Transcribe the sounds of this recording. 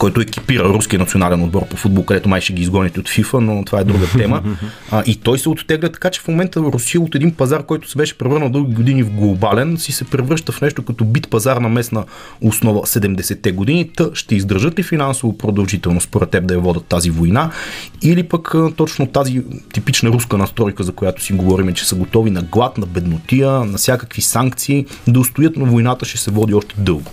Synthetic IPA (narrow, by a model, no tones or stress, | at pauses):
kɔjt̪ʊɛk̟ʲi̥piɾəɾuskʲiənɐt̪sionalɛnod̪̚bɔɾpofud̪̚bolˠkɐd̪ɛt̪ʊmajʃɛɡʲiːzɡɔnʲət̪iot̪fifənot̪ovaɛd̪ɾuɡət̪ɛmə | ʔit̪ɔjsɛot̪t̪ɛɡlʲət̪ɐ̥kat͡ʃɛ̥fmomɛnt̪əɾʊsijəot̪ɛd̪inpɐzaɾkɔjt̪ʊ̥sɛbɛʃɛ̥pɾɛvɤɾnəlˠd̪ɤlˠɡʲiɡod̪inivɡlˠobalɛnsisɛpɾɛvɾɤʃt̪əfnɛʃt̪okɐt̪ɔbit̪pɐzaɾnɐmɛsnə | osnɔvəsɛd̪ɛmd̪ɛsɛt̪ːɛɡod̪init̪əʃt̪ɛizd̪əɾʒɤt̪lifinansovopɾod̪ɐlˠʒit̪ɛlˠnost̪poɾɛt̪ːɛb̚d̪ɐjɐvɔd̪ɐt̪ːazivojnailipəkt̪ɔt͡ʃnot̪azit̪ipit͡ʃnəɾuskənɐst̪ɾɔjkəzɐkojat̪ʊ̥siɡovɔɾimɛt͡ʃɛ̥səɡot̪ɔvinɐɡlˠat̪nɐbɛd̪not̪iənɐfsʲjakəkvisaŋkt̪siː | d̪ɐʊst̪ʊjɤt̪nɐvojnat̪əʃɛsɛvɔd̪iɔʃt̪ɛ̥d̪ɤlˠɡʊ